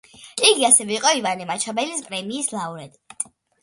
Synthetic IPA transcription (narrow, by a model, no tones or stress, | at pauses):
iɡiasɛvɛiqʼɔivanimat͡ʃʰabɛlispʼɾɛmiːslauɾɛd̪